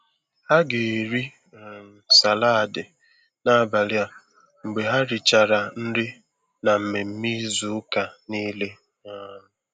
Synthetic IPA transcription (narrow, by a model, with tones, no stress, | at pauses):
ha˦ɡe˨ɾi˦˨ | sa˨la˦a˨dɪ˨ | na˦˨ba˨lja˦ | ŋ͡m̩˨ɡ͡be˨ɦa˦ɾɪ˨t͡ʃa˨ɾa˨n̩˦ɾɪ˦ | na˨m̩˨me˨m̩˦mi˦zu˦ka˨niː˦le˦ | a˦˨